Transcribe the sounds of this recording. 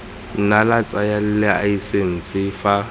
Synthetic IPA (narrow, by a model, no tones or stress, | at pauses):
n̩nalat͡sʼajal̩lɪaisen̩t͡sʼɪfa